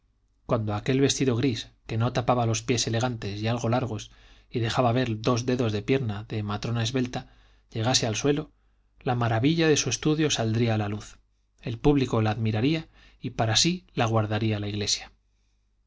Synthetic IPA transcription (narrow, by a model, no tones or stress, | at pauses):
kwand̪o̞ake̞lβe̞st̪iðo̞ɣ̞ɾiske̞no̞t̪apaβalo̞spje̞se̞le̞ɣant̪e̞sialɣo̞laɾɣ̞o̞s | iðe̞xaβaβe̞ɾd̪o̞zd̪e̞ðo̞zðe̞pje̞ɾnaðe̞mat̪ɾo̞nae̞zβe̞lt̪a | ʎe̞ɣ̞ase̞alswe̞lo̞ | lamaɾaβiʎaðe̞sue̞st̪uðjo̞sald̪ɾiaːlaluθ | e̞lpuβliko̞laːðmiɾaɾia | ipaɾasilaɣwaɾðaɾialaiɣle̞sjḁ